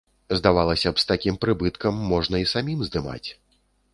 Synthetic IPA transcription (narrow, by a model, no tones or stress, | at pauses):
zd̪avalˠɐsʲɐpst̪akʲimpɾɨbɨt̪kɐmːɔʐnɐisamʲimzd̪ɨma̰t͡sʲ